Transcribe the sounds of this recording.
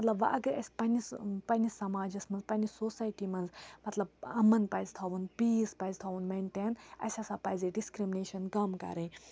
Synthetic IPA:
mɐt̪lɐbʋɐ̰ʔɐɡɐɾɐ̰sʲpɐnispɐnisɐmaːd͡ʒɐsmɐnzpɐnisosaːjʈimɐnzmɐt̪lɐb̚ɐmːɐnpɐjzt̪ʰaʋunpiːspajzʲt̪ʰaʋunmeɳʈenɐ̰sʲasapɐzeɖiskɾimineːʃɐnkɐmkɐ̰ɾɐ̃i

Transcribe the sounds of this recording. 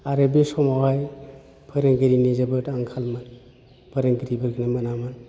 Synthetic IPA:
aɾɯbisɔmawaj | pʰɯɾeŋɡiɾinizabɯtaŋkʰalmɯn | pʰɯɾaŋɡiɾibɯɾɡinamɯnamɯn

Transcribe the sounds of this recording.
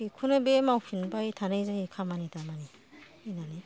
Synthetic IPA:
ikʰunebemawpʰinbajtʰanajzahikʰamanitʰamani | inani

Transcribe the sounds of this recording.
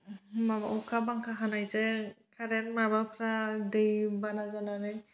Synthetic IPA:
maɔkʰabaŋkʰaɦanajzɛkʰaɾɛnmabapʰɾadɯjbanazanaɾɯ

